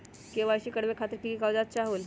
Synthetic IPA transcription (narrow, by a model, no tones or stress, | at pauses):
keʋaɕiːkəɽʋekʰat̪əɾkikawd͡zat̪̚t͡ɕaɦul